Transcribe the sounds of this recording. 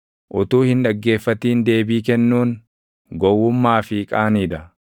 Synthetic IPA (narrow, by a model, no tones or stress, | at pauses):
ʔʊt̪uːhɪnᶑɐɡːe̞ːfːɐt̪iːnd̪e̞ːbiːkɛnːuːn | ɡɔwːʊmːaːfɪkʼaːniːd̪ɐ